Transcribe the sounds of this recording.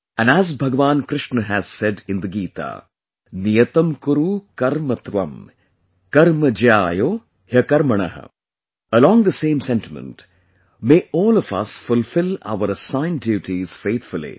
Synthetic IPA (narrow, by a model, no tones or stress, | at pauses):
æ̃næzbʱɐɡəʋaːnkɾɪʃnəɦæz̥sɛɖɪ̃nd̪əɡiːt̪a̰ː | nijɐt̪ɐmkʊɾukɐɾmɐt̪ʋɐ̰m | kɐɾmɐd͡ʒjaːjoː | hjɐkɐɾmɐɳɐ̰ɦə̰ | əlɔ̃ːŋd̪əsẽːmsɛ̃ntɪmə̰̃nt | meːʔɔːlɔfɐ̰sfʊlfɪla̰ʊəɾəsãɪ̃ndjuːʈiz̥feːt̪ʰfʊlḭ